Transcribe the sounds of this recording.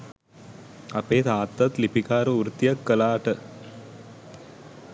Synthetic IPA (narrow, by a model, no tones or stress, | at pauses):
ɐpeːt̪aːt̪ːɐt̪lipikaːɾuuɾt̪ijɐkːəlaːʈə